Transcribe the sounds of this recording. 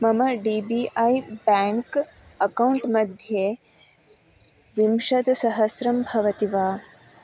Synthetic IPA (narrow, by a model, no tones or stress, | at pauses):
mɐmɐɖiːbiːʔɐjbaːŋk | ɐkɐwɳʈmɐd̪ʱje | ʋimʃɐt̪sɐɦɐsɾɐmbʱɐʋɐt̪iʋaː